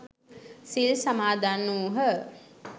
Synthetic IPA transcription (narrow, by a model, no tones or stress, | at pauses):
silsamaːd̪anːuɦə